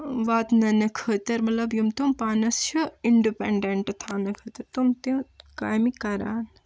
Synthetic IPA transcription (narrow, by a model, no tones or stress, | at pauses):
ʋaːt̪nɐnɐkʰəːt̪ɐɾmɐt̪lɐbjumt̪umpaːnɐst͡ʃʰuiɳɖipeɳɖeɳʈt̪ʰaːnɐkʰəːt̪ɐɾt̪umt̪ekaːjmikɐɾa̰ːn